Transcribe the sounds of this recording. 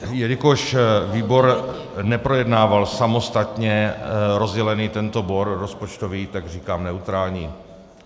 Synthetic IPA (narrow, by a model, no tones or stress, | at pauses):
jɛɾɪkoʃviːbo̞ɾ | nɛpɾojɛdnaːvalsamo̞st̪at̪ɲɛɾo̞zɟɛlɛniːt̪ɛnt̪o̞boɾɾospo̞t͡ʃt̪o̞viːt̪aɡriːkaːmnɛut̪ɾaːlɲiː